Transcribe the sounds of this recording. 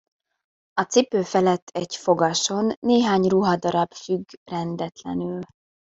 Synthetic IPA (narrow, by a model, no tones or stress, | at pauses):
ɒt̪sipøːfɛlɛt̪ʰːɛɟfo̞ɡɒʃo̞nːeːɦaːɲruɦɒd̪ɒɾɒbfyɡrɛnd̪ɛt̪lɛ̰nyl